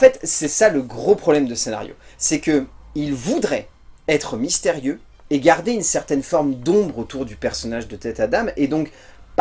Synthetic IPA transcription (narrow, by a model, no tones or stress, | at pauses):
fɛt̪sɛsaləɡʁopχɔblɛmd̪əsena̰ʁjo̰sɛkəilvud̪ʁɛ | ɛt̪χəmist̪eʁjø | eɡʲaʁd̪eynsɛʁt̪ɛnfɔʁmd̪ɔ̃bʁot̪uʁd̪ypɛʁsɔnaʒd̪ət̪ɛt̪ad̪amed̪ɔ̃kp